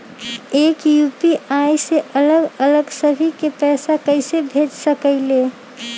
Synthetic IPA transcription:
ekjupiajseʔələɡələɡsəbʱikepɛːsakəɪsebʱed͡ʒsəkəɪle

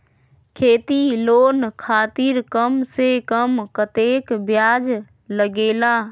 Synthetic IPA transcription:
kʰeːt̪iloːnkʰaːt̪iɾkəmsekəmkət̪ekbjaːd͡ʒ | ləɡeːla

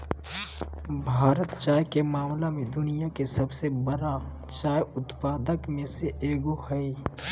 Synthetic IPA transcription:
bʱaːɾət̪t͡ʃaːjkemaːmlamẽd̪ʊnijakesɐbsebəɾa | t͡ʃaːjʊt̪paːd̪əkmẽseʔeːɡohɐi

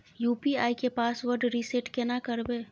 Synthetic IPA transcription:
juːpiaːikepaːsʋəɾɖɾiseʈkɛnakəɾbeː

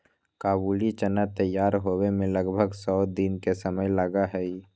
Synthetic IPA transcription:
kaːbuːlit͡ʃənat̪əjːaːɾɦoːwemẽləɡbʱəɡsɔːd̪inkesəməjlaɡaɦɛi

